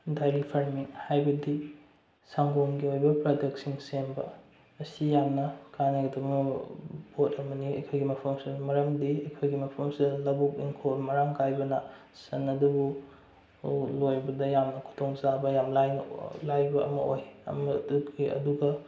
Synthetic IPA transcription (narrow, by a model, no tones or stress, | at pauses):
dajɾipʰɐɾmiŋhajbɐdi | saŋɡonɡiojbɐpɾodek̚tsiŋsembɐ | ɐsijamnɐkaneɡɐdɐb | bot̚ʰɐmɐniɐ̰jkʰojɡimɐpʰɐmsimɐɾɐmdiɐjkʰojɡimɐpʰɐmsidɐlɐbuk̚iŋkʰolmɐɾaŋkajbɐnɐ | sɐnːɐdɐbu | lojbɐdɐjamnɐkʰu̥tʰoŋzabɐjamlajnɐ̰lajbɐɐ̰mɐojɐ̰mɐdukʰiɐ̰duɡɐ